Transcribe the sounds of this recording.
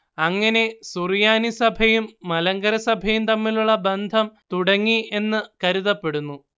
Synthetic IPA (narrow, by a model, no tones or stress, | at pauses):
ɐŋːɐne̞surjaːnisɐbʱɐjumːɐlɐŋɡɐɾɐsɐbʱɐjumt̪ɐmːiluɭːɐbend̪ʱɐmt̪uɽɐŋːie̞nːɨkɐɾuðɐpːe̞ɽunːu